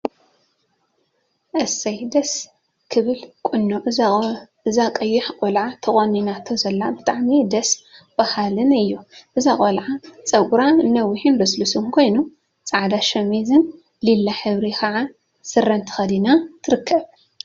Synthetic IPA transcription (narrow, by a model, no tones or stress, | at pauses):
ʔɐsɐjd̪ɐs | kʰɨβɨlkʼʊnːuʔ | ɨzakʼɐjːɪħkʼolʕat̪ʰɐχʼoninat̪ʰozɐlːabɨt̪ʼaʕmid̪ɐs | b̥ahalɨnɨjːuʔɨzakʼolʕat͡sʼɐkʼuɾanɐwːiħinbɐslusɨnkʰo̞jnu | t͡sʼaʕd̪aʃɐmizɨn | lilːaħɨβɾikʰɐʕa | sɨrːɐnt̪ʰɨ̥xɐd̪inat̪ʰɨɾɨkʰːɐβ